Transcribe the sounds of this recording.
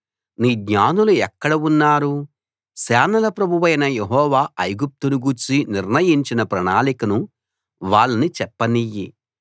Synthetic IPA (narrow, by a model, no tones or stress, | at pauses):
niːɡɲaːnuluɛkːɐɽɐunːaːɾu | sɛːnɐlɐpɾɐbʱuʋɐjnɐjeɦɔːʋaːʔɐjɡup̚t̪unuɡuɾt͡ʃiniɾnɐjiɲt͡ʃinɐpɾɐɳaːlikɐnu | ʋaːɭːɐnit͡ʃɛpːɐnijḭ